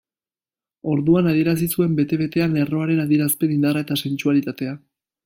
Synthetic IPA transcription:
o̞ɾðuanaðie̞ɾas̬isue̞mbe̞t̪e̞βe̞t̪e̞ane̞ro̞aɾe̞naðie̞ɾaspe̞nind̪arae̞t̪ase̞nt͡ʃualit̪at̪e̞a

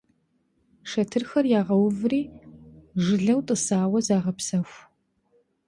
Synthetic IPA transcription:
ʂɐtʰɨrxɐrjaːʁɐwvriː | ʒɨɮɐwtʼɨsaːwɐzaːʁɐpsɐxʷ

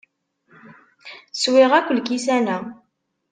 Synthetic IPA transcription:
swɪʁækʷːəlkisænæ

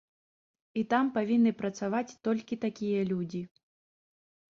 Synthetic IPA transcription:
it̪ampavʲinːɨpɾɐt̪savat͡sʲt̪ɔlʲkʲit̪akʲijɐlʲud͡zʲi

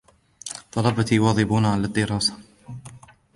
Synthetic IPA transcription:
t̪ˤɑlɑbɑt̪iːwɑːðˤɪbuːnaʕalad̪ːɪɾˤɑːsḁ

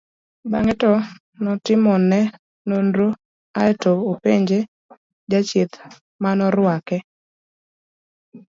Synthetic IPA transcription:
baŋɛtɔ | nɔtɪmɔnɛ | nondɾo | aɛtoopeɲd͡ʒe | d͡ʒat͡ʃɪt̪ | manɔɾʊwakɛ

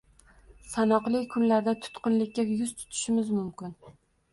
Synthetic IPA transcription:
sanɒqlˠɪkʲkʰʊnlaɾd̪at̪ʰʊ̥t̪qɨnlɪkʲːajʊzt̪ʰʊ̥t̪ʰɪ̥ʃɪmɪzmʊmkʲɪn

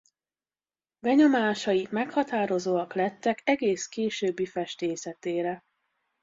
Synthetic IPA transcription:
bɛɲo̞maːʃɒjimɛkhɒt̪aːɾo̞zoːɒklɛt̪ːɛkɛɡeːskeːʃøːbːifɛʃt̪eːsɛt̪eːɾɛ

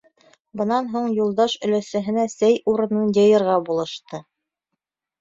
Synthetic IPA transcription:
bɤ̆nɑnɦuɴjulˠd̪ɑʃɵ̆læsæ̆ɦɘ̆næsæjuɾɤ̆nɤnjɤ̆jɤ̆ɾʁɑbulˠɤ̆ʃt̪ɤ

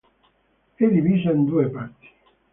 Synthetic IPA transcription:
ed̪iviːzaind̪uːepaɾt̪i̥

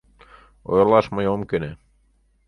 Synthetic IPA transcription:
o̰jlˠɑsmɑjomkene

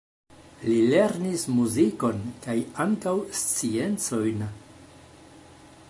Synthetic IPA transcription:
lile̞ɾnismuziko̞nkajaŋkawst͡sie̞nt͡so̞jn

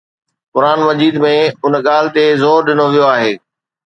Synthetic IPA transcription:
kʊɾaːnmɐd͡ʑiːd̪mẽʊnɠaːl̤ɪ̆t̪ezɔːɾɗɪnoʋijoaːɦeː

